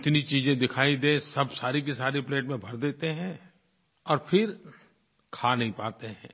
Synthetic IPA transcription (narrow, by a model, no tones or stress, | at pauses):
ɪt̪nit͡ʃiːzẽd̪ɪkʰaːid̪ẽːsɐbsaːɾikisaːɾipleːʈmẽbʱɐɾd̪eːt̪eɦɛ̃ː | ɔːɾpʰɪɾ | kʰaːnɐɦĩpaːt̪eɦɛ̰̃ː